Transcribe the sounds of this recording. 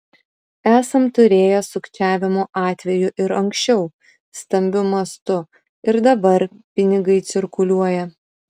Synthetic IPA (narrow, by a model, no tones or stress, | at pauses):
æːsɐmt̪ʊɾʲeːjɛsʊkt͡ʃʲæːʋʲɪmoːʔɑːt̪ʲʋʲɛjʊʔɪɾɐŋʲksʲt͡ʃʲɛʊ | st̪ɐmʲbʲʊmɐst̪ʊ | ɪɾd̪ɐbɐɾpʲɪnʲɪɡɐɪt̪sʲɪɾkʊlʲuɔjɛ